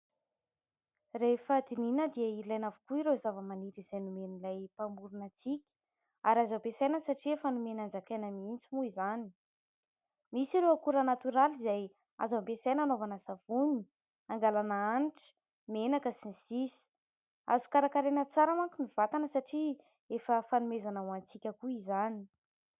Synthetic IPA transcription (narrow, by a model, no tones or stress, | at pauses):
refad̪ininəd̪iəiilajnavukuiɾozavəmaniɾiz̥ajnumenilajpambuɾunat͡sikʲ | aɾazapesajnəsaʈ͡ʂiefanumenand͡zakenəmint͡simuizani̥ | misiɾeakuɾənat̪uɾalizaj | a̰zapesajnanovanasav̥uni̥ | aŋɡalanaaniʈ͡ʂə̥ | menakəsinisisi̥ | a̰zukaɾakaɾenət͡saɾamaŋkumivat̪anəsaʈ͡ʂi | efəfanumezanawant͡sikʲəkuizani̥